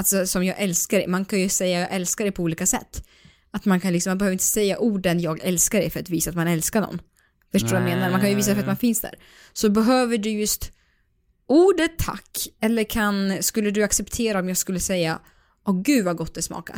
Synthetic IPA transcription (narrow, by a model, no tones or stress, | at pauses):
alsɔsɔmjɑːɡʔɛlskaɖɛjmankʰanjɵsɛjːajɑːɡʔɛlskaɖɛjpʰɔuːliːkasɛ̰t̪ː | at̪mankʰanɪksɔmːanbɛhøːvɾɪnt̪əsɛjːaʔuːɖənjɑːɡɛlskaɖɛjfœɾat̪viːsaːt̪manɛlskaɳɔ̰nː | fœʂʈoːjameːnaɾmankʰanjɵviːs̬adɛfɾat̪manfɪnsd̪æ̰ːɾ | sɔbɛɦøːvəɖɵjɵst̪ | uːɖət̪ʰːa̰kːɛlːəɾkʰanskɵlːəɖɵaksɛpt̪ʰeːɾaɔmjɑːɡskɵlːəsɛjːa | ɔɡʉ̟ːvaɡɔt̪ːd̪ɛsmɑ̰ːka̰